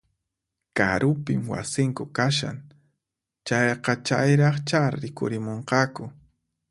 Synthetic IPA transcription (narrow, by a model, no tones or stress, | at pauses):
ka̰ɾʊpɪmwa̰sɪŋkʊkaʃa̰n | t͡ʃajqɑt͡ʃajɾɑχt͡ʃaɾɪkʊ̰ɾɪmoɴqɑkʊ